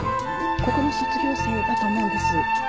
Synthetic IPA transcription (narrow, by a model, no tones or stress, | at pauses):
ko̞ko̞no̞ɕot͡sɨɡʲo̞ːsaɡat̪anaid̪esɨ